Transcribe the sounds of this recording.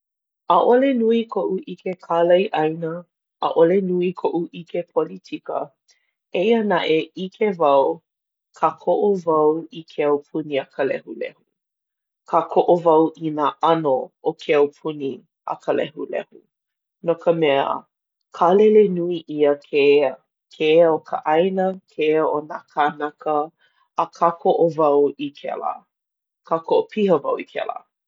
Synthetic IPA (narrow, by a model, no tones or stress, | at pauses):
əʔolenuikʰoʔuʔikʰekʰalɐjʔɐjnə | ʔːʔolenuikʰoʔuʔikepʰolitʰikə̰ | eiənaʔeʔikʰevɐw | kʰakʰoʔovɐwikʰeɐwpʰuniɐkʰəlɛ̰hulɛ̰hu | kʰakʰoʔovɐwʔinaʔɐnookʰeɐwpʰuni | ɐ̰kʰəlɛhulɛ̰hu | nokəmɛə̰ | kʰalelenuiʔiəkʰe | kʰeokʰə̰ʔɐjnəkʰeonakanakəː | kʰakʰoʔovɐwikʰɛ̰lə̰ | kʰakʰoʔopʰihəvɐwikʰɛ̰lə̰